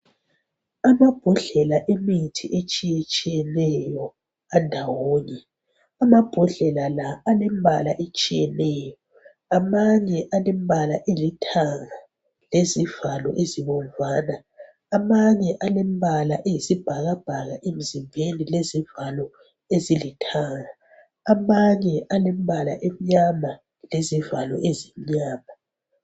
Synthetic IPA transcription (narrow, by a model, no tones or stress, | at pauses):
amab̥ʱuɮɛlaʔemitʰḭʔet͡ʃʼijɛt͡ʃʼijɛnɛjɔ | andʱawoːɲɛ | amab̥ʱuɮɛlalaːlembʱalaʔet͡ʃʼijɛnɛːjɔ | amaɲɛʔalem̩bʱalaʔelitʰaŋa | lezivalɔ̰ʔeziβɔmvaːnaː | maɲɛʔalembʱalaʔejisib̥ʱaɣab̥ʱaɣaʔem̩zimvʱenilezivalɔ | ezilitʰaŋaː | maɲɛʔalem̩bʱala̰ʔem̩iɲama | lezivalɔ̰ʔezim̩ɲaːma